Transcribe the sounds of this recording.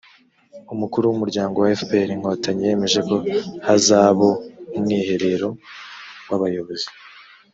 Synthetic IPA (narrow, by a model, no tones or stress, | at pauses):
umukuɾuwumuɾɟaːŋɡo̞waefpeɾiŋ̥ho̞taɲije̞me̞ʒe̞ko̞hazaːβoumŋiːhe̞ɾe̞ɾo̞ | waβajo̞βo̞zi